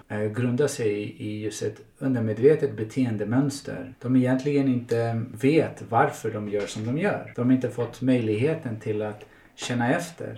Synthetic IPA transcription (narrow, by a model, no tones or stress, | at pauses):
ɡɾɵnd̪aʂɛjɪjɵst̪ɛt̪ | ɵnd̪əɾmeːd̪veːt̪ət̪̚bɛt̪ʰeːənd̪əmœnst̪ʰə̰ɾd̪̥ɔmɛjɛnt̪lɪɡənɪnt̪əveːt̪vaɾfœɖɔmjœːʂɔmd̪ɔmjœ̰ːɾd̪̥ɔmhaɾɪnt̪əfɔt̪ːmœjlɪɡɦeːt̪ənt̪ʰɪlat̪ | ɕɛnːaɛft̪ʰə̰ɾ